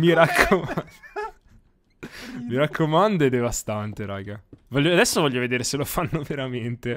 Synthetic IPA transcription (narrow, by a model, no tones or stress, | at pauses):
miɾakʰːo | miɾakʰːomand̪oed̪evast̪ant̪eɾa̰ːɡavɔʎːoad̪ɛsːovɔʎːoved̪eːɾeselofanːoveɾament̪e